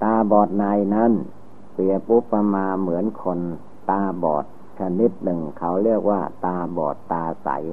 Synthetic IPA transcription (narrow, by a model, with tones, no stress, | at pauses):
t̪aː˧bɔː˨˩t̪̚naː˧jna˦˥˩n | pɾi˨˩əp̚ʔu˦˥pːa˧maː˧mɯ˩˦ənkʰo˧n | t̪aː˧bɔ̰ː˨˩t̪̚ | t͡ɕʰa˧ni˦˥t̪̚nɯ˨˩ŋkʰa˦˥wɾi˥˩ək̚waː˥˩t̪aː˧bɔ̰ː˨˩t̪ːaː˧sa̰˩˦j